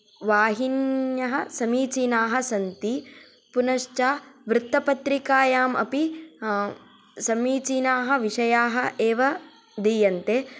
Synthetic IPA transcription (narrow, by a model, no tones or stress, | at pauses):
ʋaːɦinjɐɦɐsɐmiːt͡ʃiːnaːɦɐsɐnt̪i | punɐʃt͡ʃaːʋɾɪt̪ːɐpɐt̪ɾikaːjaːmʔɐ̰pi | sɐmiːt͡ʃiːnaːɦɐʋiʂɐjaːɦɐ̆ʔeːʋɐ | d̪ijɐnt̪eː